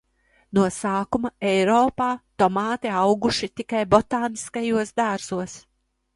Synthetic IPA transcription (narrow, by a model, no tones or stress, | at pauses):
nuɔsaːkumɐɛjɾɔːpaːt̪ɔmɑːt̪iawɡuʃit̪ikajbɔt̪aːniskajuɔsd̪aɾz̥uɔs